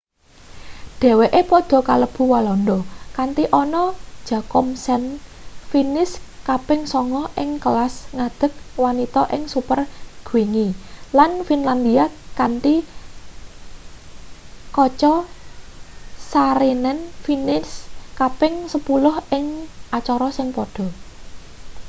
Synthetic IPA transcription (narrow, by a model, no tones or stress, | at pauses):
d̪̥ɛ̤weʔepɔd̪̥ɔ̤kaləb̥ṳwalɔnd̪ɔkant̪iʔɔnɔd̥ʒ̥a̤kɔmsɛnfinɪskapɪŋsɔŋɔʔɪŋklasŋad̪̥ə̤k̚wanit̪ɔʔɪŋsupərɡ̥wiŋilanfinland̪iakant̪i | kɔt͡ʃɔ | saɾenɛnfinɪskapɪŋsəpulʊhɪŋat͡ʃɔɾɔsɪŋpɔd̥ɔ̤